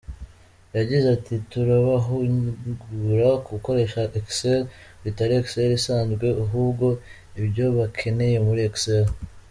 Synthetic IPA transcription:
jaɟizatʰituɾaβaɦuɡuɾakuko̞ɾe̞ʃaʔekselβitaɾiekseɾisaːnzɡwe̞uɦuːbɡo̞ | ibjo̞βakʰe̞ne̞je̞muɾieksel

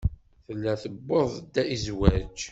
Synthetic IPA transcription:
θəlːæθəbːoðˤd̪ːæizwæd͡ʒ

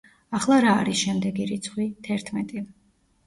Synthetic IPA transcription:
aχlˠaɾaːɾisʃɛmd̪ɛɡiɾit̪sʰχwit̪ʰɛɾt̪ʰmɛt̪ʼi

